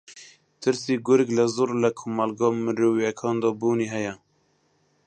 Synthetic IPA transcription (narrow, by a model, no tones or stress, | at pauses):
t̪ʰɨɾsiːɡʊɾɪklɛzoːɾlɛkʰomalɡɑːmɨɾuwjɛkʰɑːnd̪ɔːbuːniːɦɛjɛ